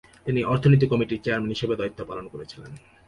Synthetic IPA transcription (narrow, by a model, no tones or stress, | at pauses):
t̪iniʔɔɾt̪ʰonit̪̬ikɔmiʈiɾt͡ɕeaɾmenɦiʃebed̪ɔjt̪ːopalonkoɾet͡ɕʰilḛn